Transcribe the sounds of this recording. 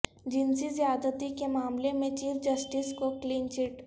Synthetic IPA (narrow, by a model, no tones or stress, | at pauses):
d͡ʒɪnsizijaːd̪ət̪ikemaːmlemẽt͡ʃiːfd͡ʒɐsʈiskokliːnt͡ʃɪʈ